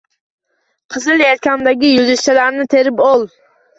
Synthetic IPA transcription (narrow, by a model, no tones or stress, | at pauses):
qʰɨzɨlˠjaɾkʲamd̪aɡʲijuzɪʃt͡ʃʰɛlæɾnɪt̪ʰeɾɪpolˠ